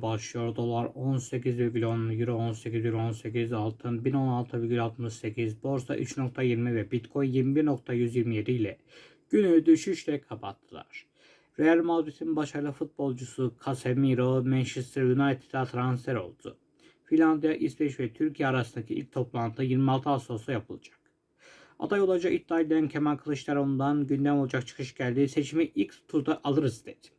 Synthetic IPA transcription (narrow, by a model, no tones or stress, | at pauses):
baʃlˠɯjo̞ɾd̪o̞lˠaɾo̞nse̞cizveɟʲylʲonjyɾɛonse̞cizjylʲo̞nse̞cʰizalˠt̪ʰɯnbino̞nalˠt̪ʰɯveɟʲylʲɛot̪mɯʃse̞cʰizbo̞ɾsa̰ʔy̰t͡ʃno̞kt̪ʰajiɾmivɛbit̪kʰo̞jnjiɾmibiɾno̞k̚t̪ʰajyzjiɾmije̞d̪iilʲɛ | ɟ̥ynyd̪yʃyʃlʲɛkʰapʰat̪ʰːɯlˠa̰ɾ̥ | ɾejælʲmazɾisʰinbaʃajlˠafut̪̚bo̞lˠd͡ʒusukʰasemiɾomɛnʃɯst̪ɾjunajt̪ʰi̥d̪at̪ʰɾansfeɾo̞̰lˠd̪ṵ | finʲːand̪ijaʔisbɛʃvɛt̪ʰyɾcʰijɛaɾasɯnd̪acʰiḭlʲc̚ʲt̪ʰo̞plˠant̪ʰɯjiɾmialˠt̪ʰɯaso̞sujapʰɯlˠa̰d͡ʒḁk̚ | a̰d̪ajo̞lˠad͡ʒait̪ːiad̪ʲejæncʰemankʰɯlˠɯʃlʲˠaɾo̞nd̪anɟynd̪æmolˠad͡ʒak̚t͡ʃʰɯ̥kʰɯʃɟælʲd̪ise̞t͡ʃʰimiʔilʲc̪t̪ʰuɾd̪aʔalˠɯɾɯzd̪ed̪i̥